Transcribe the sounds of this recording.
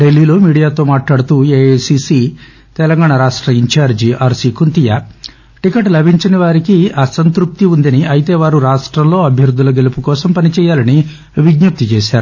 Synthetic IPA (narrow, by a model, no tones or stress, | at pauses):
ɖelːiːlo̞ːmiːɽijaːt̪o̞ːmaːʈlaːɽut̪uːeːesisiː | t̪ɛlɐŋɡaːɳɐɾaːʂʈɾɐiɲt͡ʃaːɾd͡ʒiʔaːɾsiːkunt̪ijaː | ʈikɐʈlɐbʱiɲt͡ʃiniʋaːɾikiɐsɐnt̪ɾup̚t̪iund̪ɐniɐjit̪e̞ːʋaːɾuɾaːʂʈɾɐmlo̞ːɐbʱjɐɾud̪ːulɐɡelupukɔːsɐmpɐnit͡ʃɛːjaːlɐni | ʋiɡnup̚t̪it͡ʃeːʃaːɾu